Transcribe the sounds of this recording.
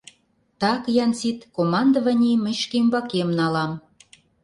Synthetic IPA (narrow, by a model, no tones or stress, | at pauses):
t̪ɑkjɑnsit̪komɑnd̪ovɑnʲimə̆ʃkembɑkemnɑlɑm